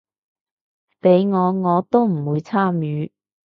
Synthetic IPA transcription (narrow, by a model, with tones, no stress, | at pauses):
pe˨˥jŋɔː˨˧ŋɔː˨˧t̪o˥wm̩˨˩wuː˨˧jt͡sʰaː˥mjyː˨˧